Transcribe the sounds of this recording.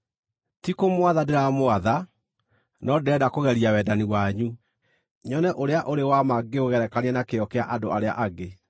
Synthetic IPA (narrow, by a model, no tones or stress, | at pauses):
tikomwaðadeɾamoaða | nɔdɛdakoɣɛɾiawɛdaniwaɲu | ɲɔnɛʔoɾeaʔoɾewamaɡeoɣɛɾɛkaneɛnakeɔkeaʔadoaɾea̰ʔaɡe